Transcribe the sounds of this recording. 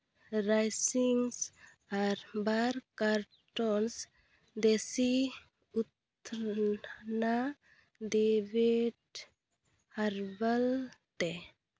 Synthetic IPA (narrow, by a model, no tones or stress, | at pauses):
ɾajsiŋs | aɾbaɾkaɾ | ʈons | d̪esi | ut̪ | ɾ | na | d̪ebeɖ | haɾbəlt̪e